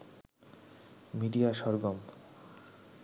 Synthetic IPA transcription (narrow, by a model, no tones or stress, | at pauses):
miɖijaʃɔɾɡom